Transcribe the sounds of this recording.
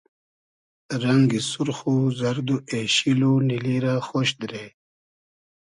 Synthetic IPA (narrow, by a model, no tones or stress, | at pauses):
ɾaŋɡisuɾxuzaɾd̪ueɕiluniliɾaxoɕd̪ɾe